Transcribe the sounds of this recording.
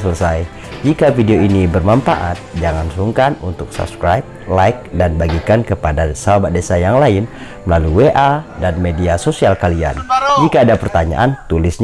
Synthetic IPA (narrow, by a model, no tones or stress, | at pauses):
sələsaj | d͡ʒikafideoinibərmanfa̰ʔat̪̚d͡ʒaŋansuŋkanunt̪ʊk̚sa̰p̚skɾajp̚lajk̚danbaɡikankəpadasaabadesajaŋlaɪn | məlaluweʔadanmediasosialkalia̰nd͡ʒikaːdapərt̪aɲa̰ʔant̪ulɪsɲ